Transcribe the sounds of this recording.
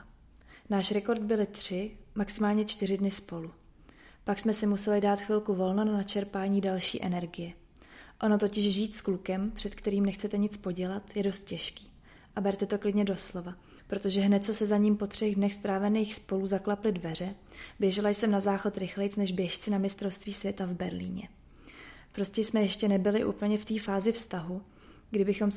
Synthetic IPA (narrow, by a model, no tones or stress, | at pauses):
naːʃɾɛko̞ɾd̪̚bɪlɪt̪r̝̥ɪmaksɪmaːlɲɛt͡ʃt̪ɪrɪdnɪspo̞lu | paksmɛsɪmusɛlɪdaːt̪xvɪlkuvo̞lnonanat͡ʃɛɾpaːɲiːdalʃḭːʔɛnɛɾɡɪjɛ | ʔo̞no̞t̪o̞cɪʒʒiːt̪sklukɛmpr̝̥ɛt̪kt̪ɛɾiːmnɛxt͡sɛt̪ɛɲɪt͡spo̞ɟɛlat̪jɛdo̞st̪̚cɛʃki̥ː | ʔabɛɾt̪ɛt̪o̞klɪdɲɛdo̞slo̞va | pɾo̞t̪oʒɛɦnɛt̪̚t͡so̞sɛzaɲiːmpo̞t̪r̝̥ɛɣdnɛxst̪ɾaːvɛniːxspo̞luzaklaplɪdvɛr̝ɛ | bjɛʒɛlajsɛmnazaːxo̞t̪ɾɪxlɛjt͡snɛʒbjɛʃt͡sɪnamɪst̪ɾo̞fst̪viːsvjɛt̪avbɛɾlḭːɲɛ | pɾo̞scɛjsmɛjɛʃcɛnɛbɪlɪʔṵːpl̩ɲɛft̪iːfaːzɪfst̪aɦu | ɡdɪbɪxo̞m